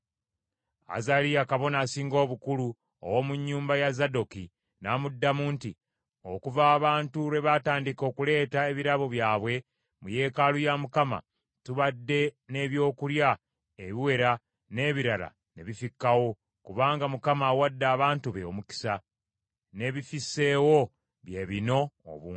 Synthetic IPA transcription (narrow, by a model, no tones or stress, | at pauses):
a̰zaɾijakaβo̞nasiːŋɡo̞ːβukulu | o̰wo̞muɲːuːmbajazado̞ki | naːmudːamuːnti | o̞̰kuvaːβaːntuɾe̞βataːndiko̞ːkule̞ːtae̞βiɾaβo̞βjaːβwe̞ | muje̞ːkalujamukama̰ | tuβadːe̞ne̞βjo̞ːkulja | eβiwe̞ɾa | ne̞ːβiɾala̰ | ne̞βifikːawo̞ | kuβaːŋɡamukamawadːaːβaːntuβeo̰muki̥sa | ne̞βifise̞wo̞ | βjeβino̞̰ːβuː